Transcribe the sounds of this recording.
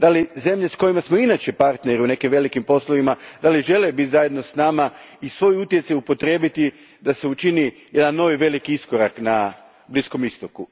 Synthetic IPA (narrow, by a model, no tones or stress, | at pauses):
d̪alize̞mʎe̞sko̞jimasmoinat͡ʃe̞paɾt̪ne̞ɾiune̞kimʋe̞likimpo̞slˠoʋimad̪aliʒe̞lebit̪ʲzajed̪no̞snamaisʋo̞jut̪je̞t̪sajupo̞t̪ɾe̞ːbit̪i | d̪ase̞ut͡ʃini | je̞d̪anːo̞ʋiʋe̞likiisko̞ɾakna | blisko̞mist̪oku